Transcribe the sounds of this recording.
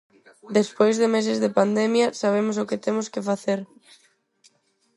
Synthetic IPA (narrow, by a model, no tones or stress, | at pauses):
d̪espojzðɪmes̬ɪzðɪpand̪ɛmjɐsaβ̞emʊsʊkɪt̪emʊskɪfaθeɾ